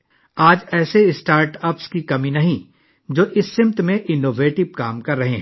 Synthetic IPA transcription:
aːd͡ʒɛːseɪsʈaːɾʈɐpskikɐmĩnɐɦĩ | d͡ʒoːʔɪsːɪ̃mt̪mẽʔɪnoːʋeːʈɪb̚kaːmkɐɾːɐɦẽɦɛ̃ː

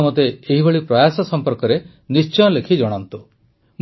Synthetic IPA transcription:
mɔt̪eːɦibʱeɭipɾɔjasɔsɔmpɔɾkɔɾe | nist͡ʃɔj̃ɔlekʰid͡ʒɔɽ̃ant̪u | m

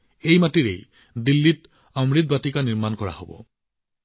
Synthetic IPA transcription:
ejmatiɹḛj | dilːit | ɔmɹit̪̚batikaniɹmankɔɹa̰ɦo̰bɔ̰

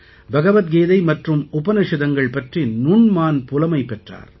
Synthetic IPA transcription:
bʱɐɣɐʋɐt̪̚ɡeːðɐɪmɐʈrɯmʊpɐnɪʂɪðɐŋɡɐɭpɐʈrinuːnmaːnpʊlɐmɐɪpɛʈra̰ːɾ

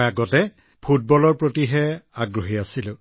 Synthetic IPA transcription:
jaɡɔtɛ | pʰut̚bɔlɔɹpɹotiɦɛaɡɹoɦiasilʊ̃

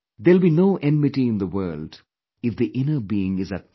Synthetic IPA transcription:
d̪eːlbinoʊʔɛ̃nmɪʈiɪ̃nd̪əwɜːlɖ | ɪfd̪iʔɪ̃nəbiːɪ̃ŋɪzə

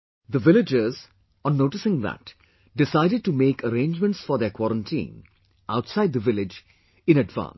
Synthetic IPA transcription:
d̪əʋɪlɪd͡ʒəz | ɔ̃nːoːʈɪsɪ̃ŋd̪æ̰ʈ | ɖɪsaɪɾɪɖ̚ʈumeːkʰəɾẽːnd͡ʒmə̃ɳʈsfɔɾd̪ekwɔɾə̃nʈʰḭ̃ːn | ʔaʊʈsaɪd̪̚d̪əʋɪlɪd͡ʒ | ɪ̃nəɖʋã̰ːns

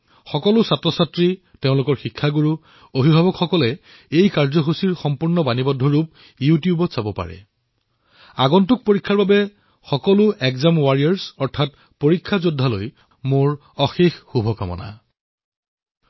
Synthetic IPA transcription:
xɔkɔlʊsatɹɔsatɹi | teʊ̃lʊkɔɹxikʰːaɡuɹu | obʱibʱabɔkxɔkɔlɛ | ejkaɹzɔɦusiɹxɔmpuɹnɔbanibɔdʱːɔɹup̚ | jutijubɔsabɔpa̰ɹɛ̰ | aɡɔntʊk̚poɹikʰːaɹbabɛ | xɔkɔlʊʔɛkzamwaɹiaɹsɔɹtʰat̚ | poɹikʰːazodʱːaloj | moɹ | ɔxexxubʱɔka̰mɔ̰na̰

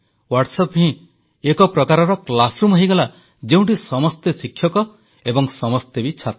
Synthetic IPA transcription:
waɾʈsɔpɦĩ | ekɔpɾɔkaɾɔɾɔklasɾumɦɔjɡɔla | d͡ʒeũɳʈisɔmɔst̪esikʰjɔkɔ | ebɔŋsɔmɔst̪ebit͡ʃʰat̪

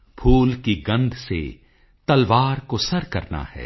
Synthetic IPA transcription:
pʰuːlkiɡɐ̃nd̪ʱsḛ | t̪ɐlʋaːɾkosɐɾkɐɾna̰hɛ̰ː

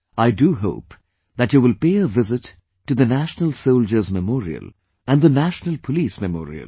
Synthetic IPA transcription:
aɪduɦo̰ʊp | ðæʈjuːʋɪlpeːəvɪzɪtː | ud̪ənæʃnəlsoʊld͡ʒəɾzməmɔːɾḭə̰l | æ̃nɖðənæʃnəlˠpʰəliːsmɛmɔ̰ːɾḭə̰l

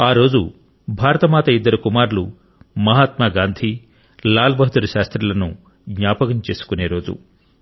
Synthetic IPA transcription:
aːɾo̞ːd͡ʒu | bʱaːɾɐt̪ɐmaːt̪ɐid̪ːɐɾukumaːɾlu | mɐɦaːt̪maɡaːnd̪ʱi | laːlbʱɐɦɐt̪uɾuʃaːst̪ɾɐlɐnu | ɡɲaːpɐkɐmt͡ʃe̞ːsu̥kune̞ːɾo̞ːd͡ʒṵ

